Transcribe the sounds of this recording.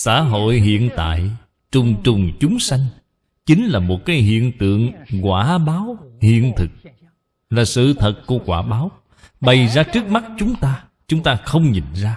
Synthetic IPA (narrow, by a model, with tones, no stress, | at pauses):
sa̰ː˧˥˨ɦo̰˧˨jɦḭ˧˨ənt̪a̰ː˧˨j | t͡ɕʊ˨˩ŋ͡mt͡ɕʊ˨˩ŋ͡mt͡ɕʊ˨˦ŋ͡msa˧jŋ̟ | t͡ɕi˨˦ŋ̟laː˨˩mo˨˩t̚kaː˨˦jɦḭ˧˨ənt̪ɨ̰˧˨əŋkwaː˧˩ɓaː˨˦whḭ˧˨ənt̪ʰɨ˨˩k̚ | laː˨˩sɨ̰˧˨t̪ʰə˨˩t̚ku˧˩əkwaː˧˩ɓaː˨˦w | ɓə˨˩jzaː˧t͡ɕɨ˦˥ək̚ma˦˥t̚t͡ɕʊ˨˦ŋ͡mt̪aː˧ | t͡ɕʊ˨˦ŋ͡mt̪aː˧xə˧wŋ͡mɲḭ˨˩nzaː˧